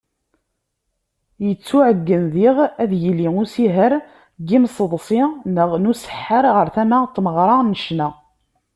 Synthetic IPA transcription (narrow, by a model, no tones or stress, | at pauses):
jət͡sːuʕəɡːənðiʁæðjəlːiŋusiɦəɾ | ɡimsˤəðˤsˤinəʁnusə̥ħːəɾˤʁəɾθæmæt̪ːməʁɾˤɑnəʃnæ